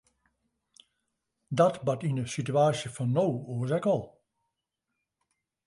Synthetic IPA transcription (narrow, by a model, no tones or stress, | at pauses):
dɔtbɑtinəsityaːsjəfɔnːowuəzɛkɔlˠ